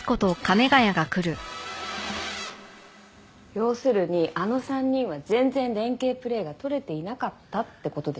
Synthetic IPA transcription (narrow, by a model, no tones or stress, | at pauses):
ko̞t̪okame̞ɡajaɡakɯ̟ɾɯ̟ | jo̞ːsɨɾɯ̟ɲ̟iʔano̞sãɲ̟ːĩɰ̃βazẽ̞nd͡zẽ̞ndẽ̞ŋke̞ːpɯ̟ɾe̞ːɡat̪o̞ɾe̞t̪e̞inakat̪ːat̪ːe̞ko̞t̪o̞d̪e̞